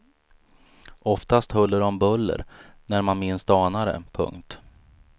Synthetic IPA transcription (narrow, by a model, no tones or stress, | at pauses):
ʔɔft̪ast̪hœlːəɖɔmbɵlːə̰ɾnæɾmanmɪnsd̪ɑːnaɾə̰pʰɵ̰ŋkt̪